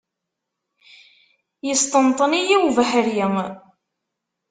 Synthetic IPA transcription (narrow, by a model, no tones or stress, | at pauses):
jəst̪ənt̪ˤənijiwvəħəɾjəŋ